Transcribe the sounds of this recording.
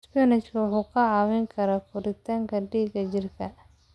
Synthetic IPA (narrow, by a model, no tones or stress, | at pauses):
spɛnɪt͡ʃkʰɐwʊħuːkʰɐʕɑːwɪŋkʰɐɾaːkʰʊɾɪt̪ʰɐŋkʰɐɖiːɡɐd͡ʒɪrkʰɐ